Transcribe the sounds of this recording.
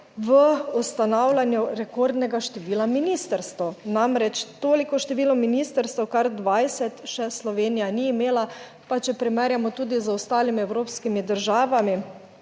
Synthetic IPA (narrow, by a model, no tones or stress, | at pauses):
ʋəust̪anawlʲanjuɾɛkoɾd̪nɛɡaʃt̪ɛʋiːlaminiːst̪əɾst̪ɔnamɾɛt͡ʃt̪oːlikɔʃt̪ɛʋiːlɔminiːst̪əɾst̪ɛwkaɾd̪ʋajsɛt̪ʃɛslɔʋeːnijaniːmeːla | pat͡ʃɛpɾɛmɛɾjamɔt̪uːd̪izəɔst̪aːlimiɛwɾoːpskimid̪əɾʒaːʋami